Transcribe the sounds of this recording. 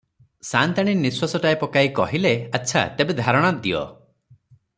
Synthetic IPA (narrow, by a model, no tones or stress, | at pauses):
sant̪aɽ̃iniswasɔʈaepɔkaikɔ̰ɦileatːt͡ʃʰa̰t̪ebed̪ʱaɾɔɽ̃ad̪iɔ̰